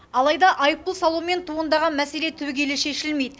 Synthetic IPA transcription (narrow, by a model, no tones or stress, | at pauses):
ɑlˠɑjd̪ɑʔɑjəp̚p̪əlˠsɑlˠuwme̞nt̪ʰuənd̪ɑʁɑnmæse̞le̞t̪ʰɵɡʲe̞lɪʃe̞ʃɪlme̞jd̪ɪ